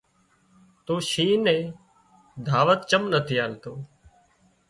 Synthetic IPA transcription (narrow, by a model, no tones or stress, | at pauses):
t̪oːʃiːnẽː | d̪ʱaːʋət̪t͡ʃəmnət̪ʰiːaːlt̪oː